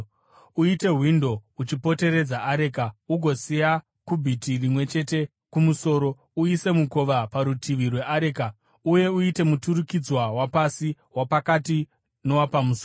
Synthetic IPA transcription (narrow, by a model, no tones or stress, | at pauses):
uite̞ɦwindo̞ut͡ʃipo̞te̞ɾe̞d͡zaʔaɾe̞kauɡʱo̞sija | kubʱitirimwe̞t͡ʃe̞te̞ | kumuso̞ːɾo̞ | uise̞muko̞ʋapaɾutʰiʋirwe̞ʔaɾe̞ka | uje̞uite̞mutuɾukid͡zwawapasi | wapakati | no̞wapamuso